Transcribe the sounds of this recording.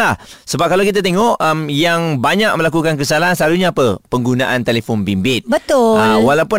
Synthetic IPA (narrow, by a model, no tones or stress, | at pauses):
ahsəbap̚kalawkit̪̬at̪eŋɔʔəmjaŋbaɲak̚mə̃lakukank̬əsalaɦnsəlaluɲaːpəpəŋɡunaʔant̪elefɔnbimbɪt̪̚bət̪ʊawalawpʊn